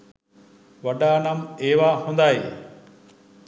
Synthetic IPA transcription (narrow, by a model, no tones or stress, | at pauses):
ʋɐɖaːnameːʋaːɦũːnd̪aːɦeː